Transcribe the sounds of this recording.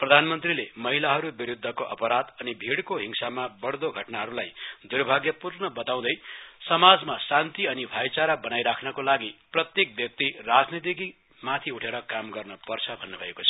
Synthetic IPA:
prʌd̪ʱanmʌnt̪rilemʌɦilaɦʌɾubiɾud̪ʱːʌkoʔʌ̰pʌɾad̪ʌnibʱiɽkoɦiŋsamabʌɽd̪oɡʱʌʈnaɦʌɾulajd̪urbʱaɡjʌpurnʌbʌt̪aw̃d̪ʌjsʌmad͡zmasant̪iʌnibʱajt͡saɾabʌnajɾakʰnʌkolaɡiprʌt̪jek̚bjʌk̚t̪irad͡znit̪̬iki | mat̪ʰiuʈʰeɾʌkamɡʌrnʌpʌrt͡sʰʌbʱʌnːebʱʌekot͡sʰʌ̥

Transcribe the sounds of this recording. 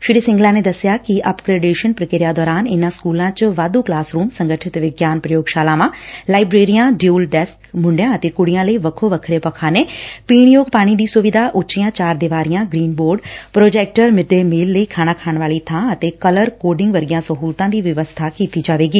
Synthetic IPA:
ʃɪɾiːsɪ̃ŋɡlãːneːd̪əsːjaːkɪʔəpkɾeːɖeːʃənpɾəkeːɾɪjaːd̪ɔːɾaːnɪnãːskuːlãːt͡ʃʋaːd̪uːklaːsɾuːmsəŋɡəʈʰɪt̪ʋɪɡjaːnpɾəjoːɡʃaːlãːʋãːlaːibɾeːɾijãːɖjuːlɖɛskmʊ̃ɳɖjãːət̪eːkʊɽijãːləiːʋəkʰoːʋəkʰɾeːpəkʰaːneːpiːɳjoːɡpaːɽ̃iːd̪iːsʊʋɪd̪ʱaːʔʊt͡ʃijãːt͡ʃaːɾd̪ɪʋaːɾijãːɡɾiːnboːɾɖpɾoːd͡ʒɛːk̚ʈəɾmɪɖeːmiːlːəiːkʰaːɽ̃aːkʰaːɳʋaːliːt̪ʰãːət̪eːkələɾkoːɖɪ̃ŋɡʋəɾɡijãːsəɦuːlt̪ãːd̪iːʋɪʋəst̪ʰaːkiːt̪iːd͡ʒaːʋeːɡiː

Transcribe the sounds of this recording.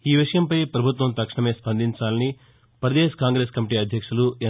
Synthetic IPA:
iːʋiʂɐjɐmpɐjpɾɐbʱut̪ʋɐmt̪ɐkʂɐɳɐme̞ːspɐnd̪iɲt͡ʃaːlɐni | pɐɾɐd̪eːskaːŋɡɾe̞ːskɐmiʈ̬iːɐd̪ʱjɐkʂuluɛ

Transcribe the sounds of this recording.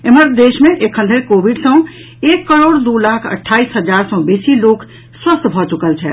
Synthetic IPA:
eməɾd̪eʃmẽʔekʰə̃nlʱekobʱiɖsə̃ | ekːəɾoɽd̪ulakʰə̰ʈʰːaisɦəd͡ʒaɾsɔ̃besilok | swəst̪ʰbʱɔt͡ʃukəlt͡ʃʰɛ

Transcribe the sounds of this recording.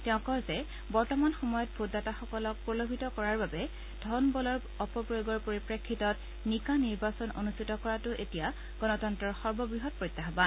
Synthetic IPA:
tɛʊ̃kɔɹzɛ | bɔɹtɔmanxɔmɔjɔt̚bʱotdataxɔkɔlɔk̚pɹɔlobʱitɔkɔɹaɹbabɛ | dʱɔnbɔlɔɹ | ɔpɔpɹijoɡɔɹpoɹipɹekʰːitɔt | nikaniɹbasɔno̰nustʰitɔkɔɹatʊʔetija | ɡ̥ɔnɔtɔntɹɔɹxɔɹbɔbɹiɦɔt̚pɹɔjtːaxban

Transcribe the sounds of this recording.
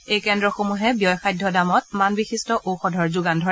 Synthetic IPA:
ejkɛndɹɔxomuɦɛbijɔjxajdʱjɔdamɔt̚manbixistɔʔoxɔdʱɔɹzʊɡandʱɔɹɛ

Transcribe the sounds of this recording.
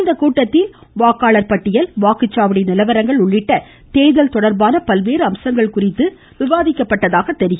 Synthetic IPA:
nd̪ɐkuːʈːɐt̪ːɪlʋaːkaːɭɐɾpɐʈːɪjɐlʋaːkɯt͡ʃːaːʋɐɽɪnɪlɐʋɐɾɐŋɡɐɭʊɭːɪʈːɐ | t̪eːjðɐlt̪ɔɽɐɾbaːnɐpɐlʋeːɾɯɐmsɐŋɡɐɭkʊrɪt̪ːɯ | ʋɪʋaːðɪkːɐpːɐʈːɐðaːɣɐt̪ːɛɾɪɣɐ

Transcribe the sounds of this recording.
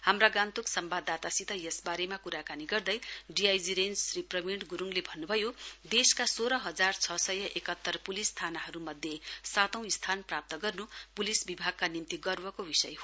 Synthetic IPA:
hamraɡãnt̪uksʌmbad̪at̪asit̪ʌjesbaɾemakuɾakaniɡʌrd̪ʌjɖiajd͡ziɾend͡zriprʌmiɳʈɡuɾuŋlebʱʌnːubʱʌjod̪eskasoɾʌɦʌd͡zart͡sʰʌsʌjʌʔekʌt̪ːʌrpulisːt̪ʰanaɦʌɾumʌd̪ʱjesat̪ʌ̃w̃ist̪ʰanprap̚t̪ʌɡʌrnupulisbibʱaɡ̚kanimt̪iɡʌrbʌkobisʌ̰jɦo

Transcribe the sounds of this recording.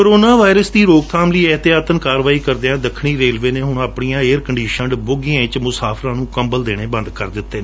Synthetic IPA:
kəɾoːnaːʋaːɪɾəsd̪iːɾoːɡt̪ʰaːmliːɛɦt̪ɪjaːt̪ənkaːɾʋaːiːkəɾd̪eãːd̪əkʰːɽ̃iːɾeːlʋeːneːɦʊɳaːpɳijãːeːəɾkəɳɖiːʃəɳɖboɡɪjãːɪt͡ʃmʊsaːpʰɾãːnũːkəmbəld̪eːɽ̃eːbə̃nd̪kəɾd̪ɪt̪ːeːeː

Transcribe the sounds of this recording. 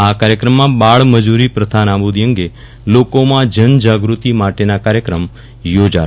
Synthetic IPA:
akaɾjəkɾəmːãbaɭməd͡ʒuɾipɾəd̪ʱanabud̪ijəŋɡe | lokomãd͡ʒənd͡ʒaɡɾut̪imaʈenakaɾjəkɾəm | jod͡ʒa

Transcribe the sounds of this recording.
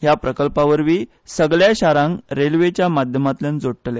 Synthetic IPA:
ɦjapɾəkəlpaʋəɾʋiː | səɡɭjaɕaɾãŋɾelʋet͡ɕjamad̪ʱjəmat̪lənd͡zoɽʈle

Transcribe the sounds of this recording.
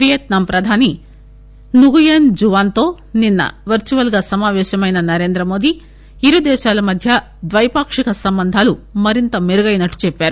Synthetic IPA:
ʋijɐt̪nɐmpɾɐd̪ʱaːni | nuɡujend͡ʒuʋaːnt̪o̞ː | ninːɐ̰ʋɐɾt͡ʃuʋɐlɡaːsɐmaːʋɛːʃɐmɐjnɐnɐɾe̞ːnd̪ɾɐmo̞ːd̪i | iɾud̪ɛːʃaːlɐmɐd̪ʱjɐ | d̪ʋɐjpaːkʂikɐsɐmbɐnd̪ʱaːlumɐɾint̪ɐmeɾɐɡɐjnɐʈːu̥t͡ʃɛpːaːɾu

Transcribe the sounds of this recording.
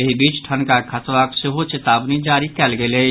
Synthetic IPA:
eɦibiːt͡ʃʈʰənkakʰəsʋakseɦot͡ʃet̪aːbnid͡ʒaːɾikɛːlɡele

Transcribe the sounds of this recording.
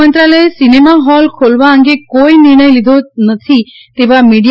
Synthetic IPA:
ənt̪ɾaləesinemaɦɔlkʰolʋaə̃ŋɡekoiniɾɳ̃əjlid̪ʱonət̪ʰi | t̪eʋamiɽij

